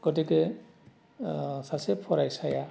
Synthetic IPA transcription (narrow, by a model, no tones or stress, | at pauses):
ɡ̥ɔtikɯ | sasepʰɔɾajsaja